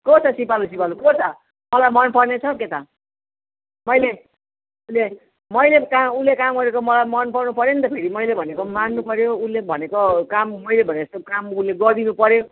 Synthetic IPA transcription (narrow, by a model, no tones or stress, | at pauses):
kot͡sʰʌsipalusipalukot͡sʰʌ | mʌlajmʌnpʌrnet͡sʰʌket̪a | mʌjle | ule | mʌjlekaulekamɡʌɾekomʌlajmʌnpʌrnupʌɾjonit̪ʌpʰeɾimʌjlebʱʌnekomanːupʌɾjoulebʱʌnekokamːʌjlebʱʌneʌst̪okamuleɡʌrd̪inupʌɾjo